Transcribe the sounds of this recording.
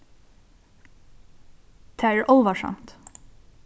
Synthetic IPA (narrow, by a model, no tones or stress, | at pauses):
t̪ʰæəɹʔɔlʋɑʃɑ̰mt̪